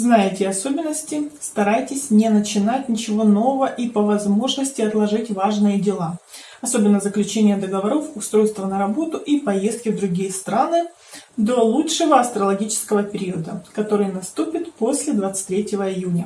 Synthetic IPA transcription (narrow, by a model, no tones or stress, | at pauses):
znajɪtʲɪɐso̞bʲɪnːəsʲtʲɪst̪ɐɾajtʲɪsʲnʲɪnət͡ɕɪnatʲnʲɪt͡ɕɪvo̞no̞vəvəʔipəvɐzmo̞ʐnəsʲtʲɪɐt̪lˠɐʐɨtʲvaʐnɨjədʲɪlˠa | ɐso̞bʲɪnːəzəklʲʉt͡ɕenʲɪjəd̪əɡəvɐɾo̞fʊst̪ɾo̞jst̪vənəɾɐbo̞t̪ʊʔipɐje̞st̪̚kʲɪvd̪ɾʊɡʲijəst̪ɾanɨ | d̪o̞lˠutʂɨvəɐst̪ɾəlˠɐɡʲit͡ɕɪ̥skəvəpʲɪɾʲiəd̪əkɐt̪o̞ɾɨjnɐst̪upʲɪt̪po̞sʲlʲɪd̪vat̪sɨ̥t̚ʲt̪ʲɾʲetʲɪvəɪjunʲə